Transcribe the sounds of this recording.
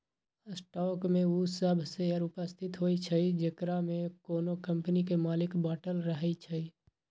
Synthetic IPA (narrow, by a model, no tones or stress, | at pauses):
sʈɔkmeusəbʱseəɾupəst̪ʰɪt̪ɦojt͡ʃʰəid͡ʒekɾamekoːnokəmpnikemaːlɪkbaːʈəlɾəɦɛt͡ʃʰəi